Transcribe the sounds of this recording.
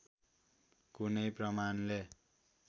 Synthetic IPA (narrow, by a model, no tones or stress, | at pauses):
kunʌjprʌmanle